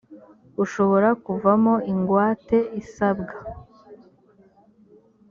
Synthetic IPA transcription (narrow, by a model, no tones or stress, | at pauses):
uʃo̞βo̞ɾakuvamo̞iŋɡwaːte̞isabɡa